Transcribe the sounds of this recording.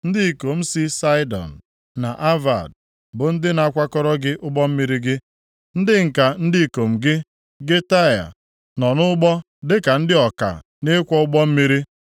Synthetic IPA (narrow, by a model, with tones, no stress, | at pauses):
n̩˦dɪ˦i˨ko˨m̩˦si˦sa˦ɪ˦dɔ̰˨n̩˨ | na˨ʔa˦va̰˨d̚ | bʊ˨n̩˦dɪ˦na˨kʷa˦kɔ˦ɾɔ˦ɡɪ˦ʔʊ˦ɡ͡bɔ˦m̩˦mi˦ɾi˦ɡɪ˦ | n̩˦dɪ˦ŋ̩˨ka˨n̩˦dɪ˦˨ko˨m̩˨ɡɪ˦ | ɡe˦ta˦ja̰˨ | nɔ˨nʊ˦ʊ˦ɡ͡bɔ˦ | dɪ˦ka˨n̩˦dɪ˦ɔ˨ka̰˨ | ne˦kʷɔ˦ʊ˦ɡ͡bɔ˦m̩˦mi˦ɾi˦